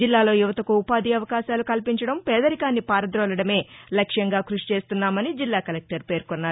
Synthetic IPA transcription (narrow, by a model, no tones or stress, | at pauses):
d͡ʒilːaːlo̞ːjuʋɐt̪ɐkuːpaːd̪iɐʋɐkaːʃaːlukɐlpiɲt͡ʃɐɽɐmpɛːd̪ɐɾikaːnːipaːɾɐd̪ɾɔːlɐɽɐme̞ːlɐkʂjɐŋɡaːkɾuʂi̥t͡ʃe̞ːst̪unːaːmɐnid͡ʒilːaːkɐlek̚ʈɐɾpe̞ːɾkonːaː